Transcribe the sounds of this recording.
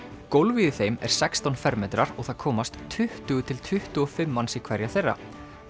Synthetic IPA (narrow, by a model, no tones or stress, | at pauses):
kowlviːðɪθejmɛ̰ɾ̥sɛkst̪ɔnfɛɾmɛt̪ɾaɾɔɣθaðkʰɔːmast̪ʰːʏht̪ʏɣʏt̪ʰɪlt̪ʰʏht̪ʏɔfɪmːansikʰv̥ɛɾjaθejrːa̰